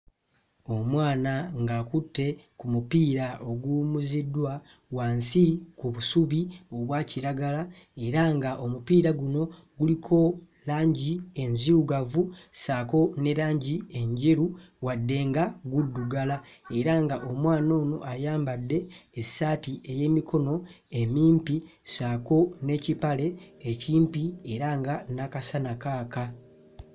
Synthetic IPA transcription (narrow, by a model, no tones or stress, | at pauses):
o̞mwaːnaŋɡakutːe̞kumupiːɾaʔo̞ɡuːmuzidwa | waːnsikuβusuβio̞βwaːciɾaɡala | e̞ɾaŋɡaʔo̞mupiːɾaɡuno̞ | ɡulikʰo̞ | laːɲɟie̞nziuɡavusaːko̞ne̞ɾaːɲɟie̞ɲɟe̞ɾu | wadːe̞ːŋɡaɡudːuɡalae̞ɾaŋɡaʔo̞mwaːno̞ːno̞̰ʔajaːmbadːe̞ːsaːtiʔe̞je̞mikʰo̞no̞ | e̞miːmpi | saːko̞ne̞ːcipale̞ːciːmpie̞ɾaŋɡanakasanakaːka